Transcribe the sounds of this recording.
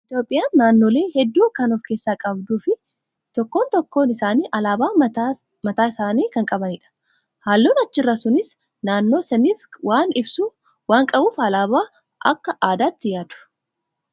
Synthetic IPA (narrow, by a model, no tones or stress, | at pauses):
ʔɪt̪jo̞ːpʼːɪjaːnːaːnːo̞ːle̞ːhɛd̪ːuːkɐnɔfkeːsːaːkʼɐbd̪uːfɪ | t̪ɔkːo̞ːnt̪ɔkːo̞ːnɪsaːniːʔɐlaːbaː | mɐt̪aːɪsaːniːkɐŋkʼɐbɐniːᶑɐ̥ | haːlːoːnɐt͡ʃːɪrːɐsʊnɪs | naːnːo̞ːsɛniːfwaːnɪbsu | waːŋkʼɐbuːfɐlaːbaː | ʔɐ̰kːɐʔaːd̪aːt̪ːɪjaːd̪ʊ̥